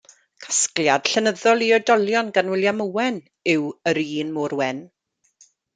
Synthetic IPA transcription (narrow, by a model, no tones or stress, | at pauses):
kʰḁskljad̥ɬɛnəðɔlˠiədɔljɔnɡanwɪljamuwɛn | ɪwəɾiːnmoːɾwɛn